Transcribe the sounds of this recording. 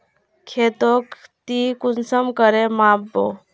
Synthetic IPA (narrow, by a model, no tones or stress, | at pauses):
kʰet̪okt̪ikunsəmkəɾemaːpbo̰